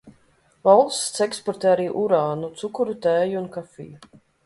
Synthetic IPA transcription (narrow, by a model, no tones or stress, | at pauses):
valˠst̪sɛkspɔɾt̪ɛːaɾiːʔuɾaːnut̪sukuɾut̪ɛːjuunkafḭju